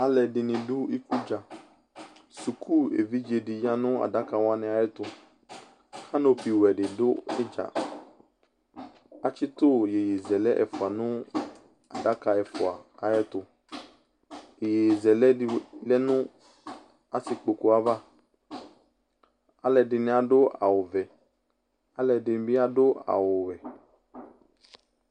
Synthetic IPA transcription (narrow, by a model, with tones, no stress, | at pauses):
a˦lɛ˨dɪ˨nɪ̃˨dʊ˦i˦ku˦d͡ʒa˨ | su˨kʰu˦˨ḛ˨vi˦d͡ʒe˨dɪ˨ɲã˦nʊ̃˦a̰˨da˦ka˨wa˦nɛ̃˨a˨jɛ˦t̪ʊ˨ | ha˦no˨pi˨wɛ˨ɖɪ˨dʊ˦ɛ˦d͡ʒa̰˨ | a˨t͡ʃɪ˦t̪ʊ˦je˨je˨zɛ˨lɛ˦ʔɛ̰˨fʊ˨a˨nʊ̃˦ | a˨da˦ka˨ɛ˨fʊ˨a˨a˨jɛ˦t̪o˨ | e˨je˨zɛ˨lɛ˦lɛ˦nũ˦ | a˨si˨k͡po˨ko˦a˨va˦ | a˦lɛ˨ɖe˨nẽ˦a˨ɖo˦ʔa̰˨wo˨vɛ˨ | a˦lɛ˨de˨n˨˦bi˦a˦ɖo˦a̰˨wo˨wɛ˨